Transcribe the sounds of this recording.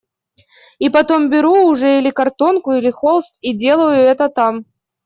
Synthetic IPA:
ipɐt̪o̞mbʲɪɾuːʐɛilʲɪkɐrt̪o̞nkʊilʲɪxolˠst̪idʲe̞lˠəjʊɛt̪ət̪am

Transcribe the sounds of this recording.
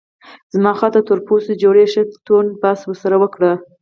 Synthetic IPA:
z̥mɑxɑt̪at̪əɾposed͡ʒoɽeʂət̪onpɑswəɾsaɾawəkɽa

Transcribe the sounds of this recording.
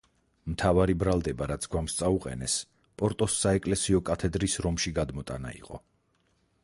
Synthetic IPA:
mt̪ʰavaɾibɾalˠd̪ɛbaɾat̪sʰɡwamst̪sʼauqʼɛ̰nɛs | pʼɔɾt̪ʼɔsːaɛkʼlɛsiɔkʼat̪ʰɛd̪ɾisɾɔmʃiɡad̪mɔt̪ʼa̰na̰ḭqʼɔ̰

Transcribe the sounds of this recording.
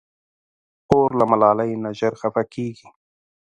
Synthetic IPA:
oɾlamalɑːlajnaʒaɾxafakeɡi

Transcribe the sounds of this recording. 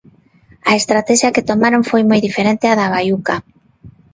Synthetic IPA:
aest̪ɾat̪ɛʃjaket̪omaɾoɱfojmojðifeɾent̪eaðaβ̞ajuka

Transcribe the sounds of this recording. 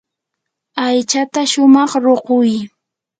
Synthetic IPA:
ajt͡ʃat̪aʃʊmɑχɾoqʊj

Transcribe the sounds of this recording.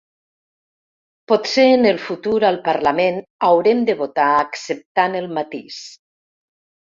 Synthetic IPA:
pɔt̪seːnəlˠfut̪uɾalˠpaɾlamenawɾemd̪əβot̪aːksep̚t̪anəlˠmat̪is

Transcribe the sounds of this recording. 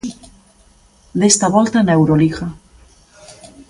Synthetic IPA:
d̪est̪aβɔlt̪anewɾoliɣa

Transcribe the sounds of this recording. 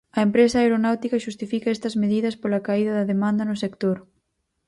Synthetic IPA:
ɐempɾesɐaeɾonawt̪ikɐʃust̪ifikɐɛst̪ɐzmeðiðɐspolɐkaiðɐðɐðemãnd̪ɐnʊsekt̪oɾ

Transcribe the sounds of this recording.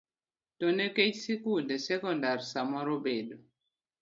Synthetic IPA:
tɔnekecsikundesɛkɔndaɾsamɔɾobedo

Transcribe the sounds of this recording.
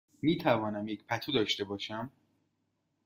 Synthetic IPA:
miːt̪ʰævɒːnæmjecpʰæt̪ʰud̪ɒːʃt̪e̞bɒːʃæm

